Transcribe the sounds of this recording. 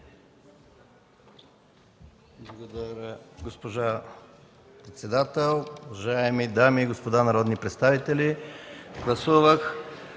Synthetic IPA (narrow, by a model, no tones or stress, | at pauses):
blˠɐɡod̪ɐɾʲəɡospoʒa | pɾɛt̪sɛd̪at̪ɛlˠoovɐʒaɛmid̪amiːɡospod̪anɐɾɔd̪nipɾɛt̪st̪avit̪ɛliɡlˠɐsuvəx